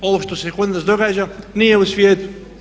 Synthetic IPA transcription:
o̞ʋoʃt̪osekod̪nazd̪o̞ɡaːd͡ʒanijeusʋʲjeːt̪u̥

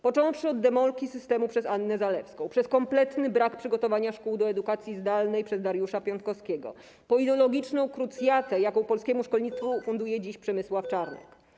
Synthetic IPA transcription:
pɔt͡ʂɔ̃w̃fʂɘɔd̪ːɛmɔlkʲisɘst̪ɛmupʂɛsanːɛzalɛfskɔ̃w̃pʂɛskɔmplɛt̪nɘbɾakpʂɘɡɔt̪ɔvaɲaʂkuwd̪ɔɛd̪ukat̪sʲjizd̪alnɛjpʂɛzd̪aɾjuʂapʲjɔnt̪̚kɔskʲɛɡɔ̰ | pɔid̪ɛlɔɡʲit͡ʂnɔ̃w̃kɾut̪sjat̪ɛjakɔ̃w̃pɔlskʲɛmuʂkɔlɲit̪st̪fufund̪ujɛd͡ʑiɕpʂɛmɘswaft͡ʂaɾnɛ̰k

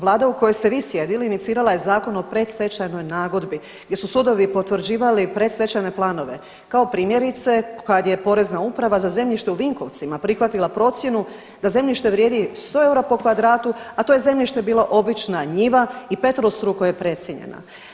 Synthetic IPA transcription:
ʋlˠaːd̪auko̞jojst̪e̞ʋiːsje̞d̪iliːnit̪siːɾalaje̞zaːko̞no̞pɾe̞t̪st̪et͡ʃajno̞jnaːɡo̞d̪bi | ɡdʲje̞susud̪o̞ʋipo̞t̪ʋɾ̩d͡ʑiːʋalipɾet̪se̞t͡ɕajne̞plˠaːno̞ʋe̞ | kao̞pɾiːmje̞ɾit̪se̞kad̪je̞po̞ɾe̞znaupɾaʋazaze̞mʎiʃt̪e̞uʋiŋko̞ʋt̪simapɾixʋat̪ilˠapɾo̞t̪sje̞nu | d̪aze̞mʎiʃt̪e̞ʋɾje̞ːd̪ist̪o̞e̞uɾapo̞kʋad̪ɾaːt̪uat̪o̞je̞ze̞mʎiʃt̪e̞biːloʔobit͡ʃnaɲiʋaipe̞t̪ɾost̪ɾukojepɾe̞t̪sjeɲḛna̰

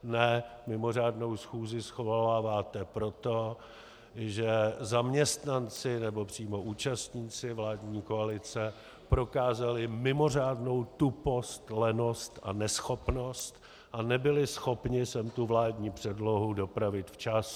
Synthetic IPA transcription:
nɛmɪmo̞r̝aːdno̞wsxuːzɪsxolaːvaːt̪ɛpɾo̞t̪o̞ | ʒɛzamɲɛst̪nant͡sɪnɛbo̞pr̝̥iːmo̞ʔuːt͡ʃast̪ɲiːt͡sɪvlaːdɲiːkoalɪt͡sɛ | pɾo̞kaːzalɪmɪmo̞r̝aːdno̞wt̪upo̞st̪lɛno̞st̪a̰nɛsxo̞pno̞st̪ | ʔanɛbɪlɪsxo̞pɲɪsɛmt̪uvlaːdɲiːpr̝̥ɛdlo̞ɦudo̞pɾavɪt̪ft͡ʃas

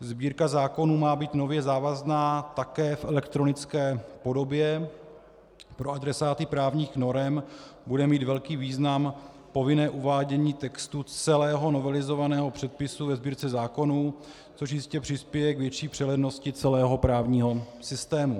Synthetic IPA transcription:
zbiːɾkazaːko̞nuːmaːbiːt̪no̞vjɛzaːvaznaːt̪akɛːfʔɛlɛkt̪ɾo̞nɪt͡skɛːpo̞do̞bjɛ | pɾoad̪ɾɛsaːt̪ɪpɾaːvɲiːxno̞ɾɛmbudɛmiːt̪vɛlkiːviːznam | po̞vɪnɛːʔuvaːɟɛɲiːt̪ɛkst̪ut͡sɛlɛːɦo̞no̞vɛlɪzo̞vanɛːɦo̞pr̝̥ɛt̪̚pɪsuvɛzbiːɾt͡sɛzaːko̞nuː | t͡soʃ̬jɪscɛpr̝̥ɪspjɛjɛkvjɛt͡ʃiːpr̥ɛlɛdno̞scɪt͡sɛlɛːɦo̞pɾaːvɲiːɦo̞sɪst̪ɛːmu

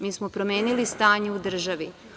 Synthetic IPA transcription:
miːsmopɾo̞me̞ːnilist̪aːɲeud̪r̩ʒaʋi

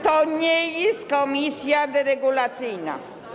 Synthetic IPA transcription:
t̪ɔɲɛjɛst̪̚kɔmʲisjad̪ɛɾɛɡulat̪sɪjna̰

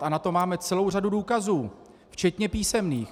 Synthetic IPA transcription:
ʔanat̪o̞maːmɛt͡sɛlo̞wr̝aduduːkazuː | ft͡ʃɛt̪ɲɛpiːsɛmniːx

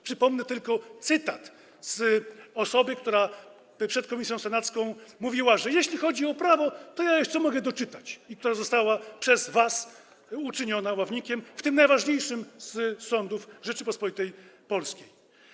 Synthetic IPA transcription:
pʂɘpɔmnɛt̪ɘlkɔt̪sɘt̪at̪ | zɔsɔbɘk̚t̪uɾa | pʂɛt̪̚kɔmʲisʲjɔ̃w̃sɛnat̪skɔ̃w̃muvʲiwaʐɛjeɕlʲixɔd͡ʑiɔpɾavɔt̪ɔjajɔt̪sɔmɔɡɛd̪ɔt͡ʂɘt̪at͡ɕik̚t̪uɾazɔst̪awapʂɛzvas | ut͡ʂɘɲɔnawavɲikʲɛmft̪ɘmnajvaʐɲejʂɘmssɔnd̪ufʐɛt͡ʂɘpɔspɔlʲit̪ɛjpɔlskʲej

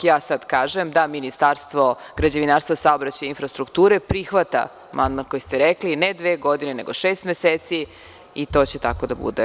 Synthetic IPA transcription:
jaːsad̪kaːʒemd̪aminist̪aːɾst̪ʋo̞ɡɾad͡ʑaʋinaɾst̪vosaobɾat͡ɕajinfɾast̪ɾukt̪uːɾepɾixʋat̪a̰ | mʔa̰nd̪mankojist̪eɾeklined̪ʋeːɡo̞d̪ineneɡoʃeːst̪meseːt̪si | it̪o̞t͡ɕet̪ako̞d̪abṵd̪e

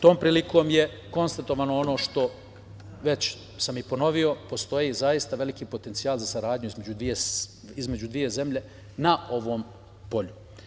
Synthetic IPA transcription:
t̪o̞ːmpɾiːliko̞ːmje̞ | ko̞nst̪at̪o̞ʋanoo̞no̞ːʃt̪o̞ | ʋe̞t͡ɕ | samipo̞no̞ʋio̞po̞st̪o̞jizajist̪aʋe̞likipo̞t̪ent̪siaːlˠzasaɾaːd̪ɲuizme̞d͡ʑud̪ʋie | izme̞d͡ʑud̪ʋije̞ze̞mʎe̞ | nao̞ʋo̞ːm | po̞ʎu

